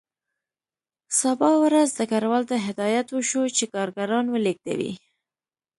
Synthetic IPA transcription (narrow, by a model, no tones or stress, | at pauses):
sabɑwɾazd̪əkaɾwɑlt̪aɦɪd̪ɑjat̪wəʃot͡ʃekɑɾɡaɾɑnwəlek̚d̪a̰wḭ